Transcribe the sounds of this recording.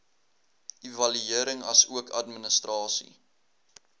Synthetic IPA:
ivɐlyiəɾəŋɐsuəkʰɐ̰tmənəstrɑːsḭ

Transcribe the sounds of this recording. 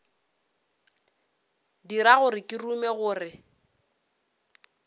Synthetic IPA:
diɾaɣʊrɪkʼirumɛɣʊːrɪ

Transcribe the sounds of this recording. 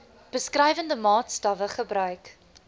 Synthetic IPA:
b̥əskrɛjvəndəmɑːtstɐvəχəbrœɥk

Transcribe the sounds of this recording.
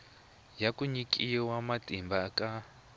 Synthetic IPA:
jakuɲikʼiwamatʼimbakʼa

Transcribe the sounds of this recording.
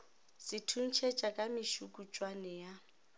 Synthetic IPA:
sɪtʰun̩t͡ʃʰet͡ʃʼakʼamɪʃukʼut͡ʃʼwanɛja

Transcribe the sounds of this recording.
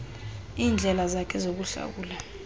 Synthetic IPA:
iːnd͡ɮʱɛlazakʰɛzok̬uɬa̰wuːla

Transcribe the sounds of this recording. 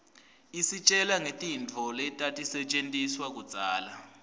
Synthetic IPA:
isit͡ʃʼɛlaŋetʼint͡fʰɔlɛtʼatʼisɛt͡ʃʼentʼiswak̬ud̥t͡sʼaːla

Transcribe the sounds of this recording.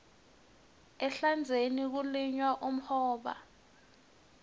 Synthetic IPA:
ɛɬand͡zʱenik̬uliɲwaʔum̩hɔːɓa̰

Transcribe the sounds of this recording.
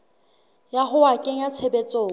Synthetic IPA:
jaɦʊakʼeŋ̩jat͡sʰebet͡sʼoː

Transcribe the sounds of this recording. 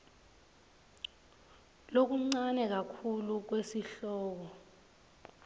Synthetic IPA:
lok̬uŋ͡ǀanɛk̬akʰuluk̬wesiɬɔːk̬ɔ

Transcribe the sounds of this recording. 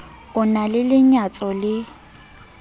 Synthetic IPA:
ʊnalɪlɪɲat͡sʼɔlɪ

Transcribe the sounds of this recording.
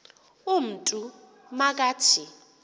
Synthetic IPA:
um̩tʼu | mak̬ʼaːt͡ʃʰɪ

